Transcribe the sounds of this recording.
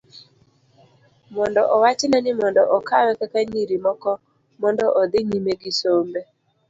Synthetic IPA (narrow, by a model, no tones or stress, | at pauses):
mɔndɔʔɔwat͡ʃɪnanɪmɔndɔʔɔkawɛkakaɲiɾimɔkɔ | mɔndɔʔɔd̪ɪŋimeɡɪsombe